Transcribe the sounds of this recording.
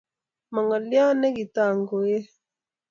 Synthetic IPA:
ma˨ŋa˨lja˦nɛ˦ki˨ta˦˨ŋɡo˨je˦

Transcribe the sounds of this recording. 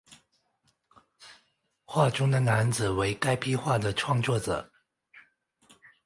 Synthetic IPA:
xwa˥˩ʈ͡ʂʊ˥ŋd̪ə˨na˧˥nd͡zɹ̩˨˩we˧˥ɪka˥ɪpi˥xwa˥˩d̪ə˩ʈ͡ʂʰwɑ˥˧ŋt͡swɔ˥˩ʈ͡ʂɤ̰˨˩˦

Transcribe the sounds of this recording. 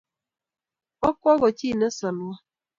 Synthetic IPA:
ɔ˦kɔ˦ɣɔ˨t͡ʃi˦˨ne˦sɔ˨n˨wa˦

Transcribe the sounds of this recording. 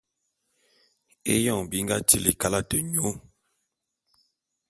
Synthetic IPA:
ḛ˦jɔ˦˨ŋbi˨˦ŋ̩˦ɡa˦t͡ʃi˦˨li˨ka˦la˦tə˨ɲo˨˦

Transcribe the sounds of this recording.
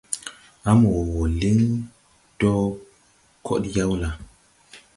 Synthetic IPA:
a˦m˨wo˨li˦ŋ | d̥o˦ | kʰo̰˦tja˦wla˨

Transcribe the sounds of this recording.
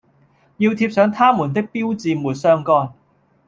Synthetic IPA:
jiː˧wt̪ʰiː˧p̚sœː˨˧ŋt̪ʰaː˥muː˨˩nt̪ɪ˥k̚piː˥wt͡siː˨˧muː˨˩t̚sœː˥ŋkɔː˧˥n

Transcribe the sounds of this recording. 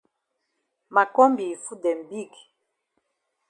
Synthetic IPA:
ma˨kɔ˦mbi˨fu˦dɛ˨m˨bi˦˨k

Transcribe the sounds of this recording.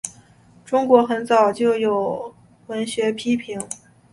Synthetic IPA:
ʈ͡ʂʊ˥ŋkwɔ˧˥xə˧˥nt͡sɑ˨˩ʊt͡ɕjo˥˩ʊjo˨˩ʊ | wə˧˥nɕɥɛ˧˥pʰi˥pʰi˧˥ŋ

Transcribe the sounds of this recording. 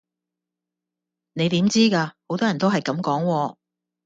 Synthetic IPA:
ne˨˧jt̪iː˨˥mt͡siː˥kaː˧ho˨˧˥wt̪ɔː˥jɐ˨˩nt̪o˥ɦɐ˨jkɐ˨˥mkɔː˨˥ŋwɔː˧

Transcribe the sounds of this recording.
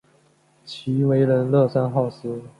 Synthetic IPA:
t͡ɕʰi˧˥we˧˥ɪɻə˧˥nlɤ˥˧sa˥nxɑ˥˩ʊsɹ̩˥

